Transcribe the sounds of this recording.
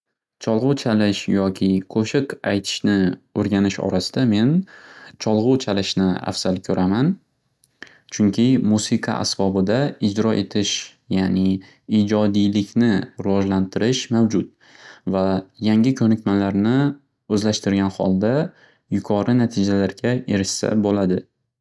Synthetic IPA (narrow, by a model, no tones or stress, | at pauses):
t͡ʃʰɒlˠʁʊt͡ʃʰalɪʃjɒkʲʰɪqʰoʃɪqajt̪ʰɪ̥ʃnɪɵɾɡʲanɪʃɒ̰ɾasɪ̥d̪ame̞nt͡ʃʰɒlˠʁʊt͡ʃʰalɪʃnɪa̰fz̥alkʲʰɵɾʔaman | t͡ʃʰʊŋkʲʰɪmusɪqʰɑ̰ʔa̰sbɒbɪd̪aɪd͡ʒɾɒʔe̞t̪ʰɪʃ | janɪ | id͡ʒɒd̪ijlɪkʲnɪɾɪvɒʒlant̪ʰɪɾɪʃmawd͡ʒʊt̪̚ | vajaŋʲɪkʲʰɵnɪkʲmalaɾnɪ | ɵzlaʃt̪ɪɾɡʲanhɒ̰lˠd̪a | jʊkʰɒɾɪnat̪ʰɪd͡ʒalaɾɡʲae̞ɾɪʃsa̰bolad̪ɪ